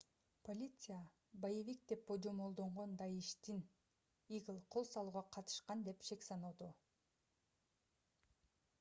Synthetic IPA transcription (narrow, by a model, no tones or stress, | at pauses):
po̞lʲit̪sɨja | bajevʲik̚d̪e̞p̚bod͡ʒomolˠd̪o̞ɴʁo̞nd̪ɑjiʃt̪in | iɡɯlˠqʰo̞lˠsɑlˠuːʁɑqʰɑt̪ɯ̥ʃqɑnd̪e̞pʃe̞ksɑnud̪u